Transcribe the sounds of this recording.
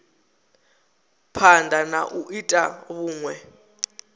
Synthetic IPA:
pʰandʱana̰ʔuʔitʼa̰βuːŋwɛ

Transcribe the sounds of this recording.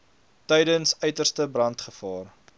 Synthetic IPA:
tɛjdənsœɥtərstəbrɐntχəfɑːr

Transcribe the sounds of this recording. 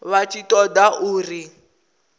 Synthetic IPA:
βat͡ʃʼitʼɔdaʔuːri

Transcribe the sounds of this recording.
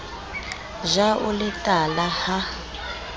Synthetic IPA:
ʒaʔʊlɪtʼalaha

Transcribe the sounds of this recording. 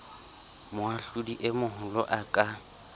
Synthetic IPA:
mʊaɬudiʔɪmʊɦʊlɔ̰ʔakʼa

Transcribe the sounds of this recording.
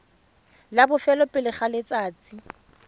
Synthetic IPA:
labʊfɛlɔpʼɪlɪχalet͡sʼaːt͡sʼi

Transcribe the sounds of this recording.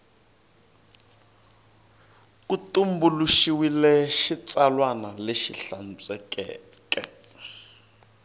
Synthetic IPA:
kutumbuluʃiwilɛʃit͡sʼalwanaleʃiɬant͡sʼɛkɛ̰ː | kʼɛ̰

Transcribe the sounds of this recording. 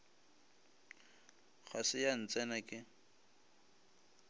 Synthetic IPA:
χʰasɪjan̩t͡sʼɛnakʼɪ

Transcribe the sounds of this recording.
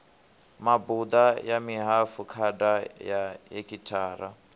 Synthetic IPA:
mabud̪ajamiɦafukʰadajajekʰʼitʰaːɾa

